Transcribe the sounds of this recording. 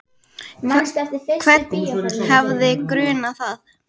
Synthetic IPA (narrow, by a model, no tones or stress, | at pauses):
kʰvɛt̪̚nhɛvðɪkɾʏːnaθað